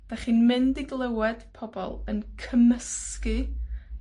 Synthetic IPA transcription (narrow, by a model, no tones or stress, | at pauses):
d̥aχiːnmɪndiɡlˠɛwɛd̥pʰɔbɔ̰lˠənkʰəməskɨ